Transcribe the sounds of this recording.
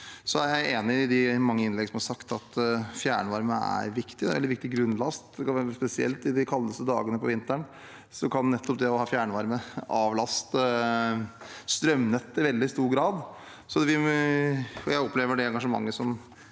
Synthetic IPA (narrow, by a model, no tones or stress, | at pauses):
sɔæɾjæɪeːnɪɪd̪ɪmɑŋːəɪnlɛɡːəsɔmhɑɾʂɑkt̪ɑt̪fjæ̰ːɳəʋɑɾməæ̰ɾʋɪkt̪ɪd̪ɛɛlɪʋɪk̚t̪ɪɡɾʉnːlɑst̪̚d̪ɛkʰɑnʋæːɾspɛsɪɛ̰lt̪ɪd̪ɪkʰɑlːəst̪əd̪ɑ̰ːɡənəpʰɔʋɪnt̪əɳ | sɔkʰɑnːɛt̪ʰːɔp̚d̪ɛɔhɑːfjæːɳəʋɑɾməɑːʋlɑst̪ | st̪ɾœmnət̪ːɪʋɛld̪ɪst̪uːɾɡɾɑːd̪ | sɔd̪ɛʋɪ | ɔjæɪɔpleːʋəɖɛɛŋɡɑʂəmɑ̰ŋːəsɔm